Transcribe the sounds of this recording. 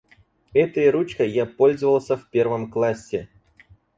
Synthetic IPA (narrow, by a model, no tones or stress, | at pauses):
ɛt̪əjəɾut͡ɕkəjapo̞lʲzəvəlˠsʲəfʲpʲe̞rvəmklˠasʲːɪ